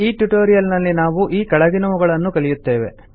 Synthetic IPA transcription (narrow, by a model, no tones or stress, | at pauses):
iːʈjuʈoːɾijɐlnɐlːinaːʋuʔiːkɐɭɐɡinɐʋuɡɐɭɐnːukɐɭijut̪ːe̞ːʋe̞̰